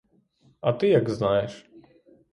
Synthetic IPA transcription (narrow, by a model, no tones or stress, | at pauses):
at̪ɨjaɡznajɛʂ